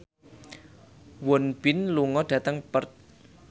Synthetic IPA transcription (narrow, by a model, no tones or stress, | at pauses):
wɔnb̥ɪnluŋɔɖ̥ä̤t̪əŋpərt̪̚